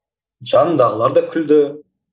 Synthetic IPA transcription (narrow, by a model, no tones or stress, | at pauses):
d͡ʒɑnd̪ɑʁəlˠɑɾd̪ɑkʲʰʏld̪ɪ